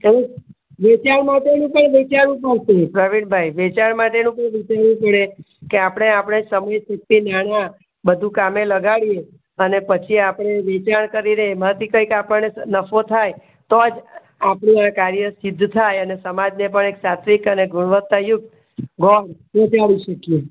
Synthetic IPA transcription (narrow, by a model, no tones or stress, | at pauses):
əɾe | ʋet͡ʃaɾmaʈenũpəɳʋit͡ʃaɾʋũpəɾʃepɾəʋiɳbʱajʋet͡ʃaɳmaʈenũpəɳʋit͡ʃaɾʋũpəɽe | keapɽ̃eapɽ̃esəməjsək̚t̪inaɽ̃a | bəd̪ʱũkameləɡaɭije | ənepət͡ʃʰiapɽ̃eʋet͡ʃaɳkəɾiɾəɦemət̪ikəjkapəɭnenəfʰot̪ʰaj | t̪od͡ʒ | apɳũakaɾjəsɪd̪ʱːt̪ʰajənesəmad͡ʒnep̬əɳeksat̪ʋikəneɡʱuɽ̃ʋət̪ːajʊk̚t̪ | ɡʱɔɾ | ʋet͡ʃaʋiʃəkje